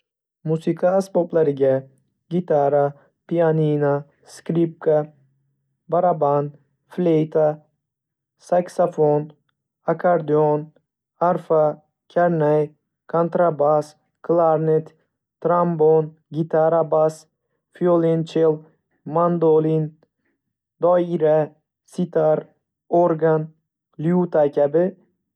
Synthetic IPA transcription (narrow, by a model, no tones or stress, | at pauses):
musikʰaːsboblaɾiɡʲa | ɡʲit̪ʰaɾa | pianina | skɾip̚ka | baɾaban | flejt̪ʰa | saksafon | akʰaɾd̪ion | aɾfa | kʲʰaɾnaj | kʰant̪ɾabas | kʰlˠaɾnet̪ | t̪ʰːɾambon | ɡʲit̪ʰaɾabas | fiolint͡ʃʰel | mand̪olin | d̪ɒiɾa | sit̪ʰaɾ | oɾɡan | liut̪akʰʲabɪ